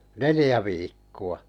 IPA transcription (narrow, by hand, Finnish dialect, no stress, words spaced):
nelĭjæ ʋiːkːuɑ